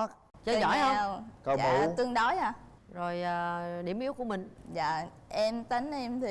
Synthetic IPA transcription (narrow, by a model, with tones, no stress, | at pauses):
t͡ɕə˧˨˦zɔ̰˧˩˦jhə˧wkə˧aːu˧˨t̪ɨ˧əŋɗɔ˨˦jaː˧˩ | zo˨˩jaː˨˩ɗi˧˩əmʔi˦˥əwku˧˩əmï˨˩ŋ̟zaː˧˨ | ʔɛ˧mt̪a˨˦ŋ̟ʔɛ˧mt̪ʰi˨˩